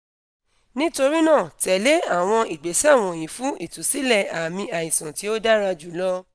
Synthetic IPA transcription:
nĩ˦to˧ɾi˦nãː˦˨tɛ˨le˨˦a˦˨w̃ɔ̃˧ʔi˨ɡ͡be˨˦si˦a˦˨w̃ɔ̃˧˨jĩ˨˦fũ˦ʔi˦˨tu˨˦si˦lɛ˦˨a˨mĩ˧a˨jĩ˨sã˨ti˨˦o˦da˦ɾa˧d͡ʒu˨˦lɔ˦

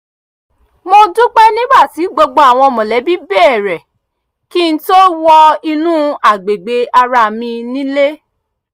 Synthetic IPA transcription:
mo˧du˦k͡pɛ˦nĩ˦ba˦˨ti˨˦ɡ͡bo˧ɡ͡bo˧a˨w̃ɔ̃˧mɔ̃˨lɛ˨˦bi˦be˦ɛ˦˨ɾɛ˨ | ki˦n̩˦to˦wɔ˧i˧nũ˦a˦˨ɡ͡be˨ɡ͡be˧a˧ɾa˧˨mĩ˧nĩ˦le˦

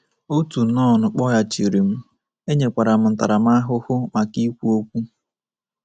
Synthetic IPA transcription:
o˦tu˨nɔ˦˨nʊ˨k͡pɔ˦ja˨t͡ʃi˨ɾi˨m̩˦ | e˦ɲe˨kʷa˨ɾa˨m̩˦n̩˨ta̰˨ɾa˨m̩˦a˦ɦʊ˦hʊ˦ma˨ki˦kʷu˦o˦kʷu˦

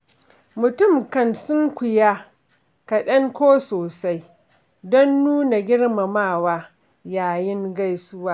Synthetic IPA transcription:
mʊ˨tʊ˦˨mkɐ˦˨nsʊ˦ŋkʷʊ˨ja˦ | kɐ˨ɗɐ˦ŋkʷoː˦soː˨sa˦j | dɔ˦nːuː˦na˨ɡʲɪ˦ɽma˨maː˦˨waː˦ | jaː˨jɪ˦ŋɡa˦jsʊ˦waː˦

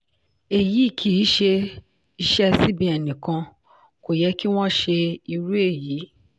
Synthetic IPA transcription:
e˨ji˨˦˨kʰi˦ʃe˧ | i˧˦ʃɛ˦si˨˦bĩ˦ɛ˨nĩ˨kã˧ | ko˨jɛ˧˦ki˦w̃ɔ̃˦˨ʃe˧i˧ɾu˦e˦˨jiː˨˦

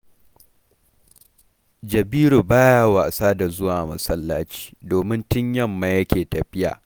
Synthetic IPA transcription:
d͡ʒɐ˨biː˦ɾu˨baː˦ja˦wa˨saː˦da˨zʊ˦waː˨mɐ˨sɐ˦lːaː˦t͡ʃi̥ː˦doː˨mɪ˦ntɪ˦ɲjɐ˦mːa˨jɐ˦kʲeː˨tɐ˨ɸɪ˦ja̰ː˨

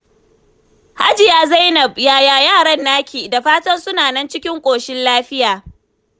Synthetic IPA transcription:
ha˦d͡ʒɪ˨jaː˦za˦jnɐ˨bjaː˦jaː˦jaː˦˨ɽɐ˦nːaː˦kʲʰiː˨da˨ɸaː˦tɐ˦nsʊ˦naː˨nɐ˦nt͡ʃɪ˦kʲɪ˦ŋkʷʼoː˨ʃɪ˦nlaː˦ɸɪ˦jaː˨

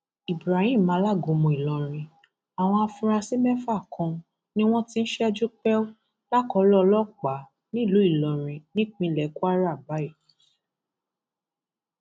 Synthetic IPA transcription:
i˨bɾa˨hĩ˦˨mã˨˦la˦˨ɡõ˨˦mũ˧˨i˨lɔ˨ɾ̃ĩ˧ | a˨w̃ɔ̃˧a˧fũ˧ɾa˧si˦mɛ˦fa˦˨kʰɔ̃˧ | nĩ˦w̃ɔ̃˦tĩ˦n̩˦ʃɛ˦a˧d͡ʒu˦k͡pɛ˦o˦ | la˦˨kɔ˨˦lɔ˦˧lɔ˦˨k͡pa˨˦ | nĩ˦˨lu˨˦i˦˨lɔ˨ɾ̃ĩ˧nĩ˦k͡pĩ˧lɛ˨˦ku˦a˦ɾa˦˨ba˨˦i˦˨

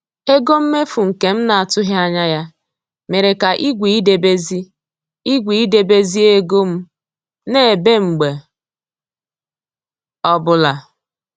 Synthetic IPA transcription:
e˦ɡo˦m̩˦me˦fu˨ŋ̩˨ke˨m̩˦na˨a˨tʊ˦ɦja˦ɲa˦ja˦ | me˨ɾe˨ka˨ʔi˦ɡʷi˨i˦de˨be˦zi˦ | i˦ɡʷi˨i˦de˨be˦zi˦e˦ɡo˦m̩˦ | ne˦˨be˦ŋ͡m̩˨ɡ͡be˨ | ɔ˦bʊ˨la˨

